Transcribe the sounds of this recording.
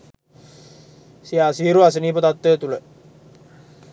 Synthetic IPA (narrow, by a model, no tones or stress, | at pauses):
siasiɾuas̬ənipət̪at̪ːet̪ule